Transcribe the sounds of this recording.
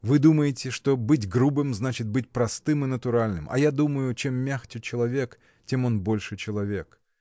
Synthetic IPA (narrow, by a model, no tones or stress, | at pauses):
vɨd̪uməjɪtʲɪʂt̪o̞bɨt̬ʲɡɾubɨmznat͡ɕɪt̪̚bɨt̚ʲpɾɐst̪ɨmɨnət̪ʊɾalʲnɨmɐ̰jad̪uməjʊt͡ɕe̞mːʲaxt͡ʃɪt͡ɕɪlˠɐvʲe̞k | tʲe̞mo̞nbo̞lʲʂɨt͡ɕɪlˠɐvʲe̞k